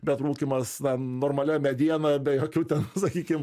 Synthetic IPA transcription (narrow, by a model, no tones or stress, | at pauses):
bʲɛt̪ɾuːkʲimɐsnɐnoːrmɐlʲɛmʲɛd̪ʲiɛnɐbʲɛjoːkʲuːt̪ʲɛnsɐkʲiːkʲɪm